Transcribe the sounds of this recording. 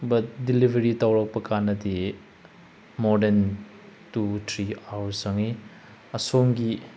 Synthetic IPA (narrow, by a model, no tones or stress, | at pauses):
bɐt̚dilibʱeɾitawɾɐk̚pɐkanɐti | mɔden | tutʰɾiawsɐŋi | ɐsoŋɡi